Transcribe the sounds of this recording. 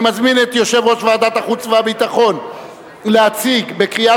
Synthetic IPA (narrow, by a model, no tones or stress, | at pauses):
mazminet̪jo̞ʃe̞vʁo̞ʃvead̪at̪aχut͡sveabit̪aχo̞n | leat͡siɡbe̞kʁia